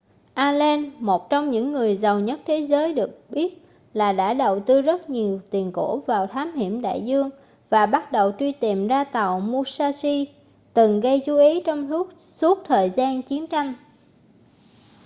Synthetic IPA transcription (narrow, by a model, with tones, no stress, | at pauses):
ʔaː˧le˧nmo˨˩t̚t͡ɕwŋ͡mɲɨ̰˧˥ŋːɨ˨˩əjzə˨˩wɲə˦˥t̚t̪ʰe˨˦zəː˨˦jɗɨ˨˩ək̚ɓi˦˥ət̚ | laː˨˩ɗa̰ː˧˥ɗə˨˩wt̪ɨ˧zə˦˥t̚ɲi˨˩əwt̪i˨˩ənko̰˧˥˩vaː˨˩wt̪ʰaː˨˦mhi˧˩əmɗa̰ː˧˨jzɨ˧əŋ | vaː˨˩ɓa˦˥t̚ɗə˨˩wt͡ɕwi˧t̪i˨˩mzaː˧t̪a˨˩wmu˧saː˧si˧ | t̪ɨ˨˩ŋɣə˧jt͡ɕu˨˦ʔi˨˦t͡ɕɔ˧wŋ͡mu˦˥ | su˦˥ət̚t̪ʰəː˨˩jzaː˧nt͡ɕi˨˦ənt͡ɕa˧jŋ̟